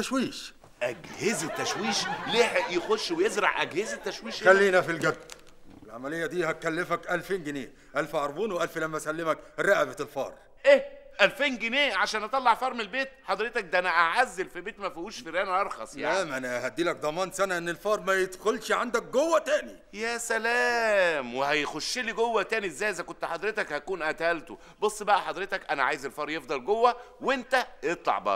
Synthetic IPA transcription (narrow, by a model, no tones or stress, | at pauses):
t̪æʃwiːʃ | ʔæɡhezet̪ːæʃwiːʃleːħjexoʃwejezɾˤɑ̰ʕʔæ̰ɡhezet̪ːæʃwiːʃxælːiːnæfilɡæd̪̚ː | elʕamælejːæd̪iːhæt̪̚kælːefækʔælfeːnɡɪneː | ʔælfʔɑɾˤbuːnwʔælflæmːæsælːɪmækɾɑʔbæt̪elfɑ̰ːɾˤ | ʔeʔælfeːnɡeneːʕaʃæːnʔɑt̪ˤɑlːɑʕfɑːɾˤmelbeːt̪̚ħɑd̪ˤɾet̪æk̚d̪ʔænæʔaʕazːelfibeːt̪mæfihuːʃfiɾæːnæʔɑɾˤxɑsˤja̰æmʔænæhæd̪ːiːlæk̚d̪ˤɑmɑːnsænæʔenːelfɑːɾˤmæjed̪xolʃʕand̪æk̚ɡowːæt̪æːni | jæːsælæːmwehæjxoʃːiliɡowːæt̪æːniʔezːæːjʔezækont̪ːħɑd̪ˤɾet̪ækhækuːnʔæt̪hælt̪o | bosˤːbæʔæħɑd̪ɾet̪ækʔænæʕa̰ːjezelfɑːɾˤjefd̪ˤɑlɡowːæ | went̪æjet̪ˤlɑ̰ʕbɑ̰